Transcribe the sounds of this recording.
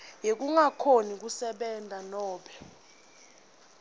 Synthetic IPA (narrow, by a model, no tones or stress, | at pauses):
jek̬uŋakʰonik̬usɛɓɛndʱanɔːɓɛ